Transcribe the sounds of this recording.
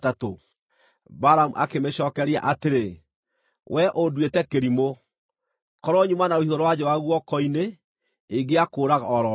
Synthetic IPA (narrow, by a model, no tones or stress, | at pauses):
tato | baɾamuʔa̰kemeɕɔːkɛɾea̰ʔateɾe | wʔɛʔodwetɛkeɾimo | kɔɾɔɲumanaohioɾɔwad͡ʑɔwaɣwɔkɔine | eɡeakoːɾaɣaɔɾɔ